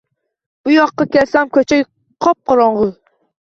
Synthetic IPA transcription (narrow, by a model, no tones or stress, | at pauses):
b̥ujɑqːɑkʲɛlsɛmkʲøt͡ʃʰɛj | qʰɑp̚qɑɾɑɴʁʊ